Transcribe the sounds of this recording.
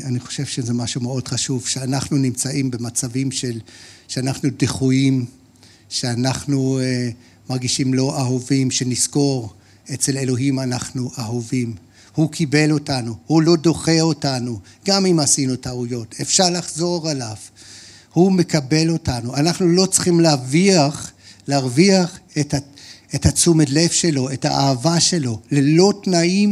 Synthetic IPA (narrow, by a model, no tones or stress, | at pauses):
aniχo̞̥ʃe̞vʃezemaʃume̞o̞dχaʃuvʃeanaχnunimt͡saimbe̞mat͡savimʃe̞lʃeanaχnudeχujim | ʃeanaχnu | maʁɡiʃimlo̞ʔaɦovimʃe̞nisko̞ʁ | e̞t͡se̞le̞lo̞ɦimanaχnuʔaɦovim | hukʰibe̞lo̞tanuhulo̞do̞χe̞o̞tanuɡamimasinutaujo̞te̞fʃaʁlaχzo̞ʁalav | hume̞kabe̞lo̞tanuanaχnulo̞t͡sχimlaviaχlaʁviaχetaethat͡sumedle̞fʃe̞lo̞etha̰ʔaːvaʃe̞lo̞lelo̞tnaim